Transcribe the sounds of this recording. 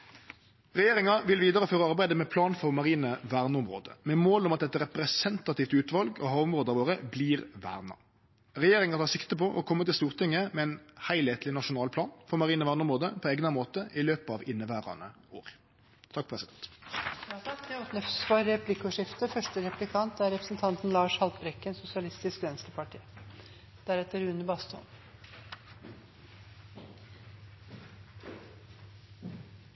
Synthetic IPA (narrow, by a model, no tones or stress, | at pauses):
ʁɛjeːɾɪŋɑʋɪlʋiːd̪ɑɾəføːʁəɑɾbæɪd̪əmɛpʰlɑːnfɔʁmɑʁiːnəʋæːʁnəʊmʁo̰ːd̪ə̰mɛmoːlɔmɑt̪̚ɛt̪ːəʁɛpɾɛsɛnt̪ɑt̪ʰiːft̪ʉːt̪ʋɑlɡɔ̰hɑːʊmʁoːd̪əɑʋoːʁəbliːʁʋæ̰ːʁnɑ̰ | ʁɛjeːʁɪŋɑt̪ɑːʁsɪkt̪əpɔʔɔ̰kʰɔmːət̪ɪlst̪uːʁt̪ʰɪŋːəmɛɛnhæɪleːt̪lɪnɑʂʊnɑːlpʰlɑːnfɔʁmɑʁiːnəʋæːʁnʊmʁoːd̪əpʰɔeːɡnɑmoːt̪əʔɪløːpɑʋɪnːəʋæːɾɑ̰nə̰ | oːʁ | t̪ʰɑk̚ːpʰʁɛsɪd̪ɛnt̪ | t̪ʰɑkd̪ɛɔt̪nʏfsfɔɾːɛpʰlɪkʊʂɪft̪əfœʂʈəɾɛplɪkʰɑnt̪æɾɛpɾəsn̩t̪ʰɑnt̪n̩lɑːʂhɑlt̪bɾɛkːənsʊsɪɑlɪst̪ɪskʋɛnsləpʰɑʈʰḭː | d̪̥æɾɛt̪ːəɾʉːnəbɑst̪ʰɔ̰n